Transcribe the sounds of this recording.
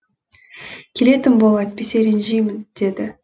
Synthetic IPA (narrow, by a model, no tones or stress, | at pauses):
kʲʰe̞le̞t̪ɪmbolˠɑt̪̚pʲeseɾenʒejmɪnd̪̥e̞d̪ɪ